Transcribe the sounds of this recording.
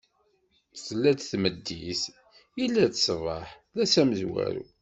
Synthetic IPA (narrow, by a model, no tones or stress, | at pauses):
slːæd̪θməd̪ːis | ilːæt͡s̪svˤɑħ | læsæməzwæ̰ɾṵ